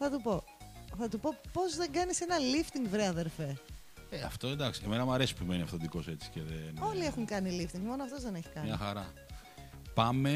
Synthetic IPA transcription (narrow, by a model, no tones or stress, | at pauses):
θɐt̪upo̞ | θɐt̪upo̞po̞zðe̞ɡɐnise̞nɐlift̪iŋɡvɾeɐðeɾfe̞ | eɐft̪oend̪ɐksieme̞nɐmɐɾe̞si̥pume̞niɐft̪od̪iko̞se̞t͡si̥ceðeno̞lie̞xuŋkɐnilift̪iŋɡmo̞noɐft̪o̞zðe̞ne̞çi̥kɐnmɲɐxɐɾɐ | pɐme̞